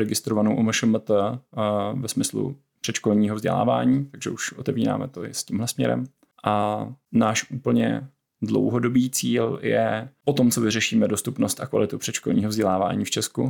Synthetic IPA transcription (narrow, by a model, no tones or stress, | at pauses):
ɾɛɡɪst̪ɾovanowʔuməʃəmt̪ə | vɛsmɪslṵ | pr̝̥ɛt͡ʃkolɲiːɦovzɟɛ̰la̰ːva̰ːɲiːt̪aɡʒɛʔuʃʔot̪ɛviːɾa̰ːmɛ̰t̪oɪ̰sciːmlɛsmɲɛ̰ɾɛ̰m | ʔanaːʃʔuːpl̩ɲɛ̰ | dlo̞̰wɦodo̞biːt͡siːljɛ̰pot̪o̞mt͡sovɪrɛʃiːmɛdost̪upnost̪ʔakva̰lɪt̪upr̝̥ɛt͡ʃkolɲiːɦovzɟɛlaːva̰ːɲiːft͡ʃɛsku